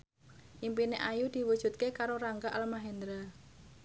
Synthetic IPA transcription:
ʔimpineʔajud̪̥i̤wud̥ʒ̥ṳt̪̚kekaɾoɾaŋɡaʔalmaɦɛnd̪ɾa

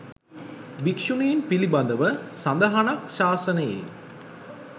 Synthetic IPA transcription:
bikʂunejːnpiliband̪əʋəsand̪əɦanakʃaːsənəjḛ

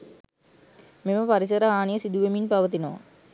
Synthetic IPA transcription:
meməpaɾisəɾəaːnijəsid̪uʋeminpaʋət̪̬inoʋa̰

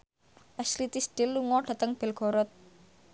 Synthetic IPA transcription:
ʔaslit̪isɖ̪̥ɪlːuŋɔɖ̥ä̤t̪əŋb̥e̤lɡ̥ɔ̤ɾɔt̪̚

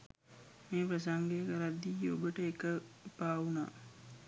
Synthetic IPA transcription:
meːpɾɐs̬aŋɡekəɾad̪ːiːo̰bəʈəekəpaːuna̰ː

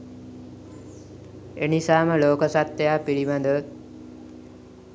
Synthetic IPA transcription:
enisaːməloːkəsat̪ːejaːpiɽiʋand̪ə

